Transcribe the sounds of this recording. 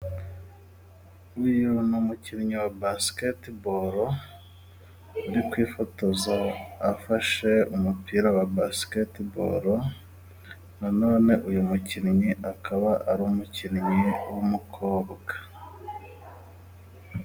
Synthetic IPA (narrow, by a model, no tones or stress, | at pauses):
ujunumuciɾiɲiwabasketiboɾo | uɾikwiːfo̞to̞zaːfaʃe̞umupiːɾawabasketibo̰ɾo | nano̞ːne̞ʔujumuciɾiɲiʔakʰaβaʔaɾumuciɾiɲiwomukʰo̞ːβɡ̥ḁ